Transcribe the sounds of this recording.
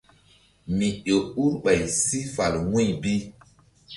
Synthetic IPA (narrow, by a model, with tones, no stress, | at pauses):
mi˨ɗo˨ɓu˦ɾɓa˨jsi˦fa˨lŋũ˦jbi˦